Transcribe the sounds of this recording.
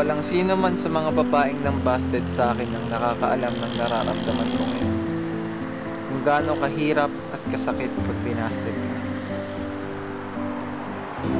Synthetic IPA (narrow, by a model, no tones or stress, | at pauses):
wɐlaŋsiːnmansɐmɐŋabɐbaːʔɪŋnɐŋbast̪ɛd̪̚sɐʔaːkɪnːɐŋnɐkaːkɐʔɐ̰lamnɐŋnɐɾa̰ːɾɐ̰md̪ɐmɐnmoŋɪn | kʊŋɡaːno̞kɐɦiːɾɐp̚ʔɐt̪̚kɐsɐkɪt̪̚pɐɡ̚pɪnaːst̪ɛd̪̚ɪn